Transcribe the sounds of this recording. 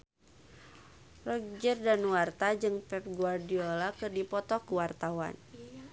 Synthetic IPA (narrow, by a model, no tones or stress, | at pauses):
rɔk̚d͡ʒərdanuwart̪ad͡ʒɨŋpɛp̚ɡuardiolakɨrdipɔt̪ɔkuwart̪awa̰n